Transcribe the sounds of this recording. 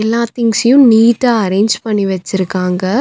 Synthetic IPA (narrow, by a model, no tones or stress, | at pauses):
ɛlːaːt̪ɪŋɡsɪjʊ̃niːʈːaːɐɾeːɲd͡ʒpɐɳːiʋɐt͡ʃːɪɾɯkːaːŋɡɐ